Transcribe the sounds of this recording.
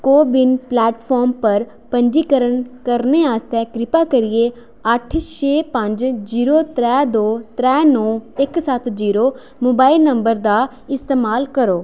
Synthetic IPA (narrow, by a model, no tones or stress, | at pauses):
koːbɪnplɛːʈpʰɔːɾmpəɾ | pəɲd͡ʒiːkəɾənkəɾneːaːst̪ɛːkɾɪpaːkəɾɪeː | əʈʰʃeːpəɲd͡ʒd͡ʒiːɾoːt̪ɾɛːd̪oːt̪ɾɛːnɔːɪksət̪ʰd͡ʒiːɾoː | moːbaːɪlnəmbəɾd̪aː | ɪst̪eːmaːlkəɾoː